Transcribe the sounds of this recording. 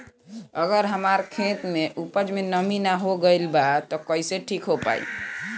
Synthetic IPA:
əɡəɾɦəmaɾkʰet̪meʔupəd͡ʒmenəminaɦoɡəjlbat̪ɔkəiseʈʰikɦopa̰ḭ

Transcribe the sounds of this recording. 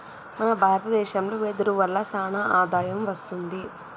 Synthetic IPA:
mɐnɐbʱaːɾɐt̪ɐd̪ɛːʃɐmloːed̪uɾuʋɐlːɐsaːnaʔaːd̪aːjɐmʋɐst̪und̪i

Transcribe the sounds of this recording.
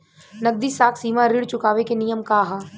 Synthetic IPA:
nɐɡ̚d̪iːsaːkʰsiːmaɾɪɽt͡ʃʊkaːʋekenijəmkaːɦa

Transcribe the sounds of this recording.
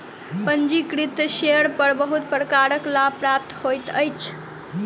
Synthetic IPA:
pənd͡ʒikɾit̪ʃeəɾpəɾbəɦut̪̚pɾkaɾəklapɾap̚t̪hojt̪əjt͡ʃʰ

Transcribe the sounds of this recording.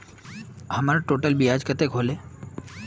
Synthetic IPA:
həmaɾaʈoʈəlbiad͡ʒkət̪ekɦole

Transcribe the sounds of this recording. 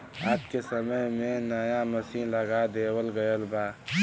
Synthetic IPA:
aːpkesəməɦmẽnajamɐsĩlɐɡad̪eːwəlɡəjəlbaː

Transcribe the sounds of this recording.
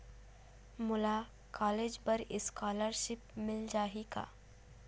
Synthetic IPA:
mʊlaː | kʰaːleːd͡ʒpɐɾɪskaːləɾʃɪp̚mɪld͡ʒaːɦika̰ː

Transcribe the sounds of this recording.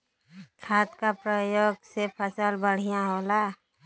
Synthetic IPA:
kʰaːt̪kapɾəjoːɡsepʰəsəlbəɽ̤ijãɦoːla

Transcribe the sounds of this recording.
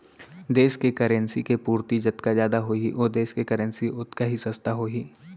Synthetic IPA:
d̪eːskekɐɾənsikepuːɾt̪id͡ʒɐt̪kazjaːd̪aɦoiʔoːɾd̪eːskekɐɾə̃nsiʔʊt̪kaɦisɐst̪ʰaɦoːiː

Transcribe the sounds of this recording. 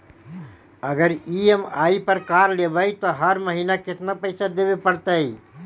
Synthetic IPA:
əɡəɾiemaːipəɾkaːɾlebəjt̪ɔɦəɾməɦinakɪt̪napəɪsad̪ebepəɽt̪əi

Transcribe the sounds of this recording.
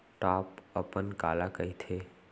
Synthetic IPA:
ʈaːpəpənka̰ːlakəit̪ʰe

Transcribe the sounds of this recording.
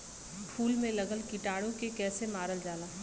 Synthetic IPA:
ʈʰuːlmẽlɐɡəlkɪʈaːɽõkekɛːsemaːɾəld͡ʒaːlaː

